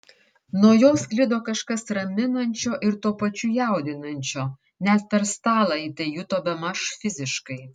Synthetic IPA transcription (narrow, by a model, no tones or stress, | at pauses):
nuːjoːsklʲɪd̪oːkɐʃkɐsɾɐmʲɪnɐnʲt͡ʃʲoːʔɪɾt̪uːpɐt͡ʃʲʊjæˑʊd̪ʲɪnɐnʲt͡ʃʲoː | nʲɛt̪̚pʲɛɾst̪ɑːlˠɐit̪ɐɪjut̪oːbʲɛmɐʃfʲɪzʲɪʃkɐɪ